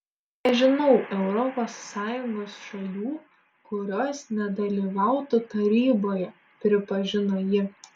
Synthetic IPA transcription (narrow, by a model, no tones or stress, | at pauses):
nʲɛʒʲɪnɐʊʔɛʊɾɔpoːsːɑːjʊŋɡoːsʃɐlʲuː | kʊɾʲoːsnʲɛd̪ɐlʲiːʋɑˑʊt̪ʊt̪ɐɾʲiːboːjɛ | pʲɾʲɪpɐʒʲɪnoːjɪ